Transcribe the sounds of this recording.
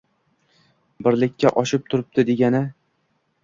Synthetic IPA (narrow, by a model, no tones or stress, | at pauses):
bɪɾlɪkʲʰːaʔɒʃɪp̚t̪ʰʊɾɪp̚d̪ɪd̪e̞ɡʲanɪ